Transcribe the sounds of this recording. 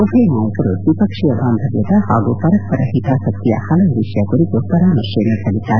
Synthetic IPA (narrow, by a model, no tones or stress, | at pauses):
opʰemaːjkɐɾosipɐkʂiɐʋaːmbʱɐɡjɐt̪aɦaːɡupɐɾɐk̚pɐɾɐɦit̪aːsɐt̪ːija̰hɐlɐʋiʃjakoɾikopɐɾaːmɐʃjemesɐlit̪aː